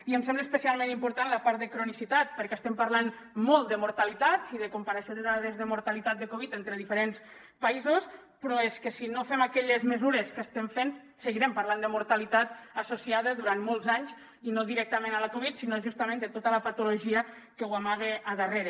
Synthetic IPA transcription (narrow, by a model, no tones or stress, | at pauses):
iəmsɛmbləespəsialˠmẽnimpuɾt̪anləpaɾt̪̚d̪əkɾunisit̪at̪̚pəɾkɛːst̪ɛmpəɾlan | mɔlˠt̪d̪əmuɾt̪alit̪at̪iðəkumpəɾəʃjoðəðaðezðəmuɾt̪alit̪at̪̚d̪əkoβit̪ent̪ɾəðifəɾens | paizos | pɾɔeskəsinofɛmakɛʎezməzuɾeskəst̪ɛmfen | səɣiɾɛmpaɾland̪əmuɾt̪alit̪at̪̚əsusiaðəðuɾanmolˠzaɲz | inoðiɾɛk̚t̪əmenaləkoβit̪sinoʒust̪əmẽnd̪ət̪ot̪ələpat̪uloʒiə | kəwamaɣ̞eəðəreɾə